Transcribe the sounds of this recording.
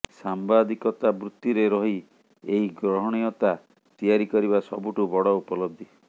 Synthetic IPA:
sambad̪ikɔt̪abɾut̪juɾeɾɔɦi | eɦiɡɾɔɦɔɽ̃ijɔt̪a | t̪ijaɾikɔɾiβasɔ̰buʈubɔɽɔupɔlɔb̚d̪ʱi

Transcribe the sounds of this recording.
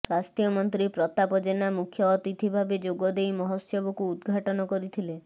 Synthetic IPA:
swast̪jɔmɔnt̪ɾipɾɔt̪apɔd͡ʒenamukʰjɔːt̪it̪ʰibʱabed͡ʒoɡɔd̪ejmɔɦɔsjɔbɔkuːd̪ɡʱaʈɔnɔkɔɾit̪ʰile

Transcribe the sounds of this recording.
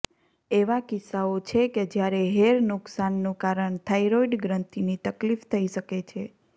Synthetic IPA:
eʋakɪsːaot͡ʃʰeked͡ʒjaɾeɦeɾnʊksanːũkaɾəɳt̪ʰaiɾoiɖɡɾənt̪init̪əklift̪ʰəiʃəket͡ʃʰe

